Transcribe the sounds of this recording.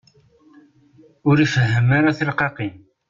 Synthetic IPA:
ʊɾifəɦːəmaɾaθəlqɑqin

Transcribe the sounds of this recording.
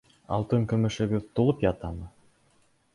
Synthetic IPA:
ɑ̰lˠt̪ɤŋkɵ̆mɵ̆ʃɘ̆ɡɘðt̪ulˠɤpjɑt̪ɑmɤ

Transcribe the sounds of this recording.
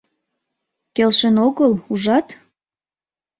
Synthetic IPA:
kelʃenoɣəluʒɑt̪

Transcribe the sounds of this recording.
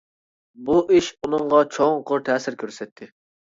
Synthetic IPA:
buʔiʃunɨɴʁɑt͡ʃʰoŋqʰoɾt̪ʰɛːsɪɾkʲøɾsɛt̪ʰːɪ

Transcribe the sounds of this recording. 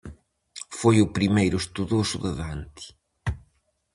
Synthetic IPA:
fojʊpɾimejɾʊest̪uðosuðɐðant̪i̥

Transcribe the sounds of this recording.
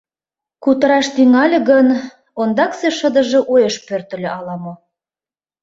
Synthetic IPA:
kut̪əɾɑʃt̪yŋɑlʲĕɣən | ond̪ɑkseʃəd̪ə̆ʒĕʔojeʃpørt̪ə̆lʲøʔɑlɑmo

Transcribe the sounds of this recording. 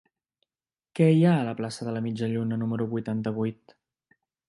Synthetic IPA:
kɛiaələplasəðələmid͡ʒəʎunənuməɾuβujt̪ant̪əβ̞ujt̪

